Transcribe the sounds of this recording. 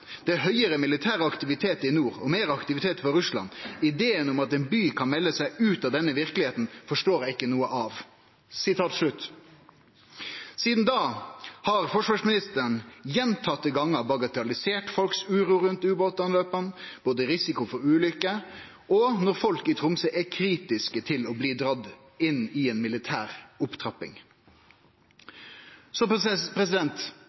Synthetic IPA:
d̪̥ɛɦœʏəɾəmɪlɪt̪ʰæːʁəɑkt̪ɪʋɪt̪ʰeːt̪əɪnuːɾɔ̰meːɾɑkt̪ɪʋɪt̪ʰeːt̪fɔɾʉslɑ̰nɪd̪eːənʊmɑt̪ɛnbyːkʰɑnmɛlːəsæɪʉːt̪ɑʋd̪ɛnːəʋɪʁkəlɪheːt̪n̩fɔʂʈoːɾɛɪkːənuːəʔɑʋ | sɪt̪ʰɑːt̪ʂɭʉt̪ː | siːd̪n̩d̪ɑːhɑɾfɔʂʋɑːʂmɪnɪst̪əəɳjɛnt̪ʰɑt̪ːəɡɑŋːəbɑɡɑt̪ʰɑlɪseːʈfɔlksʉːɾuːɾʉnt̪ʉːboːt̪ɑnløːpənb̥oːd̪əɾɪsɪkʊfɔɾʉːlʏkə | ɔnɔɾfɔlkɪt̪ʰɾʊmsəʔɛkʰɾiːt̪ɪskət̪ʰɪlɔbliːd̪ɾɑd̪ː | ɪnːɪɛːnmɪlɪt̪ʰæ̰ːɾʊpt̪ʰɾɑpɪ̰ŋ | sɔpʰɾɛs̬ɪd̪ɛnt̪

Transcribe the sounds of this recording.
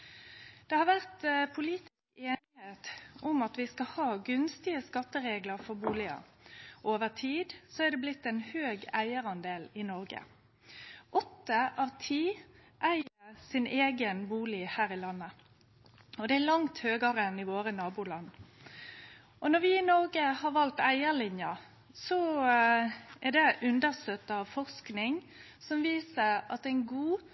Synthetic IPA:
d̪̥ɛhɑʁʋæʁt̪pʰʊliːt̪ɪskeːnɪheːt̪ʊmɑt̪ʋɪskɑhɑːɡʉnst̪ɪəskɑt̪ːəʁeːɡləʁfɔʁbuːlɪɑ̰ʔoːʋəʁt̪ʰiːd̪sɔæʁd̪ɛblɪt̪ːɛnhøːɡæɪəʁɑnd̪eːlɪnɔʁɡə̰ | ʔɔt̪ːəʔɑʋt̪ʰiː | ʔæɪəʁsɪneːɡənbuːlɪhæːɾɪlɑnːə | ɔd̪ɛælɑŋt̪høːɡəɾəɛnɪʋoːɾənɑːbuːlɑnː | ʔɔnɔʋɪɪnɔʁɡəhɑɾʋɑlt̪æɪəɭɪnjɑ | sɔ | ɛʁd̪ɛʔʉnd̪əʁst̪øːt̪ːəɑʋfɔʁsknɪŋ | sɔmʋiːsəʁɑ̰t̪æɪnɡuː

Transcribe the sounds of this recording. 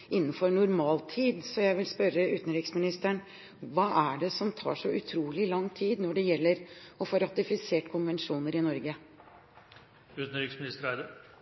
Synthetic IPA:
ʔɪnːn̩fɔɾɳʊɾmɑːlt̪ʰiːd̪sɔjæɪʋɪlspœɾːəʉːt̪ən̩ɾɪksmɪnɪst̪əɳ | ʋɑːʔæɖɛsɔmt̪ʰɑ̰ːʂɔʔʉt̪ʰɾuːlɪlɑŋːt̪ʰiːd̪nɔɖɛjɛlːəɾɔfoːɾɑt̪ɪfɪseːʈkʰʊnʋɛnʂuːnəɾɪnɔɾɡə | ʉːt̪n̩ɾiksmɪnɪst̪əɾæɪd̪ə

